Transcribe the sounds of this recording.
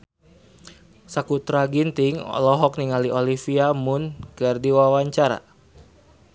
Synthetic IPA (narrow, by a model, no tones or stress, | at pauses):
sakut̪ɾaɡint̪ɪŋɔ̰lɔɦɔk̚niŋaliʔolifiamʊnkərdiwawaɲt͡ʃaɾa̰